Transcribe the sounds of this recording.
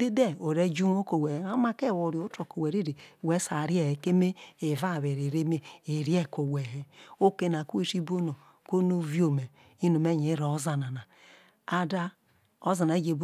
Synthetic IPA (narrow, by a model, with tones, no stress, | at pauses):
de˦de˦o˨ɾe˦d͡ʒu˦n˦o˦ko˨we˨a˦ma˦ke˦˨wo˨ɾjo˦to˨ko˨we˨ɾi˦ɾe˨we˦sa˨ɾje˦˨he˨ke˦me˦e˨va˦˨βe˨ɾi˨ɾe˦me˦e˨ɾje˦˨ko˨we˨ɦe˦o˦ke˦n˨a˨ku˦e˦si˦bo˦no˨ | ko˦no˦vjo˨me˨ | i˦no˨me˦ɲe˨˦ɾo˨o˦za˨na˨na˨ | a˦da˦ | o˦za˨na˨e˦d͡ʒe˨b